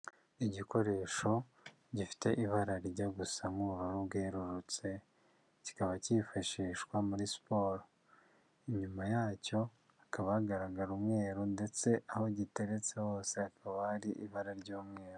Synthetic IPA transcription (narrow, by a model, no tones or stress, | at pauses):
iɟiko̞ɾe̞ʃo̞ | ɟifi̥te̞ʔiβaɾaɾɟaɡusamuuɾuɾubɡeːɾuɾut͡se̞ | ci̥kaβacifaʃiːʃkwamuɾispo̞ːɾo | iɲumajaːco̞ | akʰaβaɡaɾaɡaɾumŋe̞ːɾunde̞t͡se̞ʔaho̞ɟite̞ɾe̞t͡se̞ho̞ːse̞akʰaβaɾiʔiβaɾaɾɟuːmŋe̞ːɾu